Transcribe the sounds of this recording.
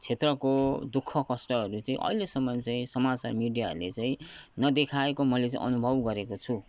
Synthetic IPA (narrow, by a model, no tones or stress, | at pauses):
t͡sʰet̪rʌkod̪ukʰːʌkʌsʈʌɦʌɾut͡sʌĩʔʌ̰ilesʌmːʌnt͡saĩsʌmat͡sa̰rmiɖijaɦʌ̰ɾulḛt͡saĩnʌd̪ekʰaekomʌlet͡saḭ̃ʔʌnubʱʌbɡʌɾekot͡sʰu